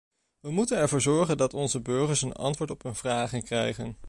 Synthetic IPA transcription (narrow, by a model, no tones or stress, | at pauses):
ʋəmutənɛɹvʊːɹzɔɹχəndɑtɔnzəbøɹχəɹsənɑ̰ntʋʊːɹtɔpɦɵnvraːχənkrɛjχən